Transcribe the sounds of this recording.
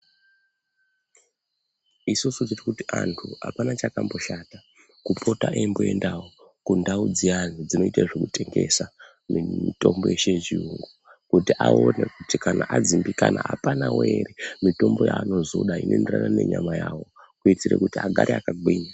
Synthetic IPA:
isusud͡zirikutiʔantʰua̰panat͡ʃakambo̞ʃata | kupʰo̞taʔemboe̞ndawo | kundaud͡zianid͡zino̞itaʐekute̞ŋɡe̞̰sa | miito̞mbo̞̰jeʃet͡ʃiuŋɡo | kutiʔaonekutikanaʔad͡zimbikanaapanaweɾemito̞mbo̞jaːno̞zoɗainʔo̞endera̰nane̞ɲamajaːwo̞ | kuitirḛkutiaɡʱaɾeakaɡiːɲa

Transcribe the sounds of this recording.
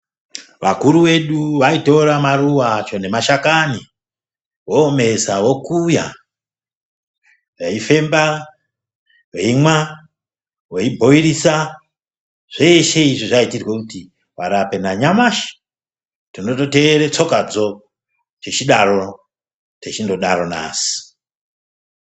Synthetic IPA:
ʋa̰kuɾuwe̞ɗuʋaito̞ɾamaruwat͡ʃo̞ne̞maʃakani | woːme̞sawo̞kuja̰ | reife̞mba | weimwa | weibʱo̞irisa | ʐ̥eʃe̞iʐiʐaitirwekuti | waɾape̞naɲamaʃi̥ | tino̞to̞teːɾet͡so̞kad͡zo̞ | t͡ʃet͡ʃiɗaɾo̞ | tet͡ʃindo̞ɗaɾo̞na̰ːsi̥

